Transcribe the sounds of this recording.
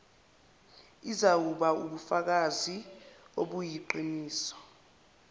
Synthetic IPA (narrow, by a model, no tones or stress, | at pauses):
izawuɓauɓufak̬azioɓujiǃiniːsɔ̥